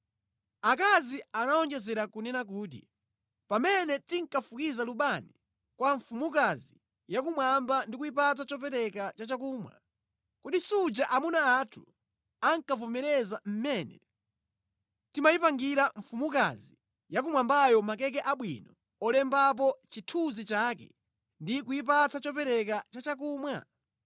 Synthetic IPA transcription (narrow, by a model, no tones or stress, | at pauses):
ak̬azianaɔŋd͡ʒɛzɛɾakunɛnak̬uːt̬ḭ | pamɛnɛtiŋ̩kafukizaluɓani | kwaɱfumukazi | jak̬umwambandikuipat̬at͡ʃɔp̬ɛɾɛkat͡ʃat͡ʃak̬uːmwa̰ | kuɗisud͡ʒaʔamunaːtʰu̥ | aŋkavɔmɛɾɛzam̩mɛːnɛ̰ | timajipaŋɡiɾaɱ̩fumuka̰zi | jak̬umwambajɔmakɛk̬ɛʔaɓwḭnɔ | ɔlɛmbap̬ɔt͡ʃitʰuzit͡ʃaːkɛ̰ | ndikujip̬at͡sat͡ʃɔpɛɾɛkat͡ʃat͡ʃak̬uːmwa̰